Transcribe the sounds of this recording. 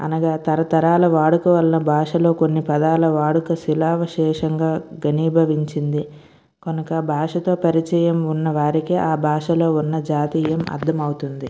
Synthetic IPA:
ɐ̰nɐɡaːt̪ɐɾɐt̪ɐɾaːlɐʋaːɽukɐʋɐlɐnɐbʱaːʂɐlo̞ːkonːipɐd̪aːlɐʋaːɽukɐsilaːʋɐʃɛːʂɐŋɡaːɡɐniːbʱɐʋiɲt͡ʃind̪i | konɐkɐbʱaːʂɐt̪o̞ːpɐɾit͡ʃɐjɐmunːɐʋaːɾikiaːbʱaːʂɐlo̞ːunːɐd͡ʒaːt̪iːjɐmɐ̰d̪ʱːɐmɐwut̪und̪i

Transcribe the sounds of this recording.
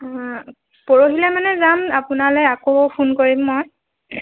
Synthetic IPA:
pɔɹoɦilɛmanɛzamapʊnalɔjakopʰunkoɹimːɔj

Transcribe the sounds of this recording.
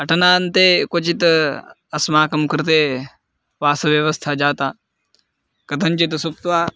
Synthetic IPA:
ɐʈɐnaːnt̪eːkot͡ʃit̪ | ɐsmaːkɐmkəɾt̪̬eː | ʋaːsɐʋjɐʋɐst̪ʰad͡ʒaːt̪aː | kɐt̪ʰɐnt͡ʃit̪sup̚t̪ʋaː

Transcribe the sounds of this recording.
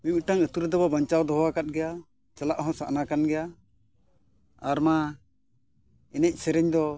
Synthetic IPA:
miɲuʈaŋət̪uɾɛd̪ɔbɔbaɲt͡ʃawd̪ɔɦɔwakat̪̚ɡɛja | t͡ʃalaʔɦɔ̃saʔnakanɡɛja | aɾma | ɛnɛc̚ˀsɛɾɛɲd̪ɔ

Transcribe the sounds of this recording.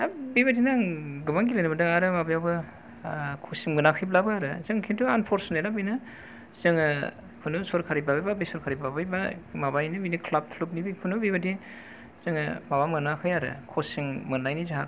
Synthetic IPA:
abibadinaŋɡɯbaŋɡilajnɯbadɯŋaɾɯmabajawbɯ | kʰosiŋɡɯnakʰɯjblabɯaɾɯ̰zɯŋkʰintuanpʰɔɾsnajlabɯjnɯ | zɯŋɯ | kʰunɯsɔɾkʰaɾibabajbabisɔɾkʰaɾibabajbamabajnɯminikʰlap̚tʰlup̚nibikʰunɯbibadi | zɯŋɯmabamɯnakʰɯjaɾɯ̰kʰɔsiŋmɯnajnizaɦa

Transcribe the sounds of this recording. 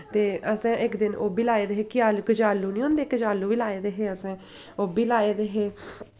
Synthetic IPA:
t̪eːəsɛ̃ːʔɪkd̪ɪno̰ːbiːlaːeːd̪eːɦeːkɪjaːlukəd͡ʒaːlːuːnĩːõːnd̪eːkəd͡ʒaːlːuːʋiːlaːeːd̪eːɦeːəsɛ̃ː | oːbiːlaːeːd̪eːɦeː

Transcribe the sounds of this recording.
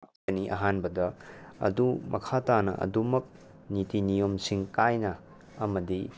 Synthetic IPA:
ɐniʔɐ̰ɦanbɐdɐɐ̰dumʔɐ̰kʰatanɐ̰ʔɐ̰dumɐk̚ | nitinijomsiŋkajnɐ | ɐmɐdi

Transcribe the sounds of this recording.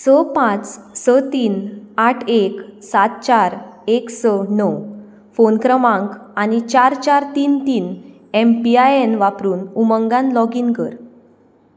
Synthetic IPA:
səpãt͡ssət̪iːnaʈʰeksat̪̚t͡ɕaɾeksənɔw | fonkɾəmãŋkañit͡ɕaɾt͡ɕaɾt̪iːnt̪iːn | empiajenʋapɾuːnuməŋɡãnlɔɡiŋkəɾ

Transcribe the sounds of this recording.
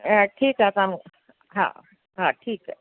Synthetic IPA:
ʈʰiːkat̪am | ɦã̰ | ɦãʈʰiːk

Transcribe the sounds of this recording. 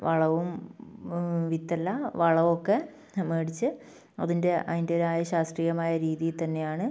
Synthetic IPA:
ʋɐɭɐʋum | ʋit̪ːɐlːɐʋɐɭɐʋokːe̞ | meːɽit͡ɕːɨ | ɐ̰ðinde̞ʔɐ̰ðinde̞oɾaːjɐɕaːst̪riːjɐmaːjɐɾiːðijilt̪ɐnːe̞jaːɳɨ

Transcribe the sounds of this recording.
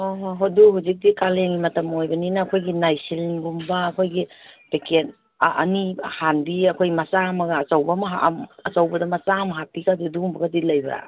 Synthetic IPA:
oɦoɦoduɦuzik̚dikaleŋimɐtɐmojbɐninaːkʰojɡinajsiliŋɡumbaːkʰojɡipeket | ʔːnihanbiɐkʰojmɐsamɐɡɐːsawbamaɦamɐsawbɐdɐmasamaɦapikadudumbɐɡadilajbɐɾa̰

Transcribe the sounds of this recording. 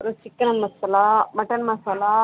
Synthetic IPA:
ɾusikːɐnɐnmɐsɐlamɐʈːɐnmɐsɐla

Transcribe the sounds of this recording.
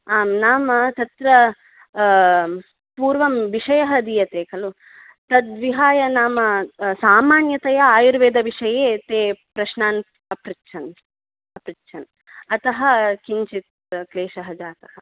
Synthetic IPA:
aːmnaːmɐt̪ɐt̪ɾɐ | puːɾʋɐmʋiʂɐjɐɦɐd̪ijɐt̪eːkɐlu | t̪ɐd̪ʋiɦaːjɐnaːmɐsaːmaːnjɐt̪ɐjɐaːjuɾʋeːd̪ɐʋiʂɐjeːt̪eːpɾɐʃnaːn | ɐpɾitːʃʰɐn | ɐpɾitːʃʰɐn | ɐt̪ɐɦɐkiɲt͡ʃit̪ | kleːʃɐɦɐd͡ʒaːt̪ɐɦɐ

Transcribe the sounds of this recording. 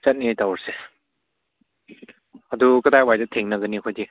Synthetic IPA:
sɐt̚niajtawɾse | adukɐdajwajdɐtʰeŋnɐɡɯnikʰojdi

